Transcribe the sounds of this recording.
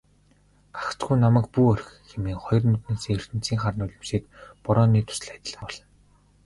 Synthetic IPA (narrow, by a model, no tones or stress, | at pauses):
ḁxt͡sɡujnamæ̆k̚puːœɾ̆xxemeːŋχɔjɞ̆rmut̪neːseːer̥t̪ɘ̆n̥t͡siːŋχarnʊːɮʲɪ̆msiːkpɔɾɔːniːt̪ʰʊ̥sɮæt̪̆ʲɮə̆ŋɔɮ̥ɞ̆n